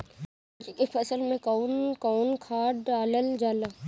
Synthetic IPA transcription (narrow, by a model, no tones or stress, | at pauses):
d͡ʒikefɐsəlmẽkaːnkɔːnkʰaːɖaːləld͡ʒaːla